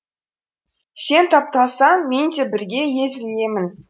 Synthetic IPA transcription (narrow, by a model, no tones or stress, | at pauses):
se̞nt̪ʰɑp̚t̪ɑsɑment̪ebɪɾɡʲe̞je̞zɪlje̞mɪn